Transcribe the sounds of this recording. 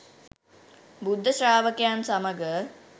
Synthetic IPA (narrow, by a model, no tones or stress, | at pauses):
bud̪ʱːəsɾaːʋəkejaːnsaməɡə